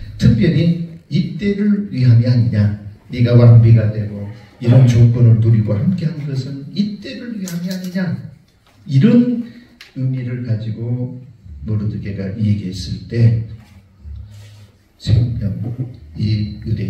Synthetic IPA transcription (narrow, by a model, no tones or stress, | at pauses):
tʰɯk̚p͈jʌɾiːt͈e̞ɾɯɭɥiɦamiaɲiɲa | niɡawaŋbiɡadwe̞ɡo | iɾʌnt͡ɕok̚p͈ʌnɯɭtuɾiɡohamk͈e̞ɦanɯnɡʌsʰɯnit͈e̞ɾɯɭɥiɦamiaɲiɲa | iɾʌn | ɯmiɾɯɭkad͡ʑiɡo | mʌɾɯdɯɡeɡaʔieɡiɦes͈ɯɭt͈e̞ | sʰemʌniɯɾe